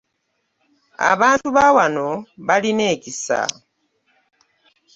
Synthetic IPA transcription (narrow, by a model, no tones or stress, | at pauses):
a̰βaːntuβawano̞βaline̞ːcisa̰